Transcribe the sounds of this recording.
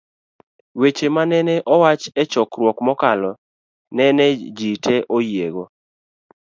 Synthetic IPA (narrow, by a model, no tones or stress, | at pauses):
wet͡ʃemanɛnɛʔɔwat͡ʃɛt͡ʃɔkrwɔkmɔkalɔ | nɛnɛd͡ʒitʰɛʔojeɡo